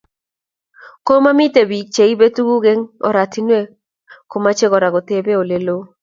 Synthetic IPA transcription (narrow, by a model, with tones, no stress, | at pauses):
ko˦ma˦mi˦te˨bi˨t͡ʃe˨i˦be˦tu˦ɡu˦ɡe˦ŋɔ̰˨ɾa˨ti˦nwe˦ | ko˦ma˦t͡ʃe˦ɡɔ˨ɾa˨ɡɔ˨t̪e˦be˦o˨le˨lo˦